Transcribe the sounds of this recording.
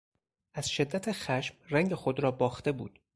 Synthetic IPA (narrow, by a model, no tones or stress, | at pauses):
ʔæz̥ʃe̞d̪ːæt̪ʰexæʃmræŋɟexod̪ɾɒːbɒːxt̪e̞bṵːd̪̥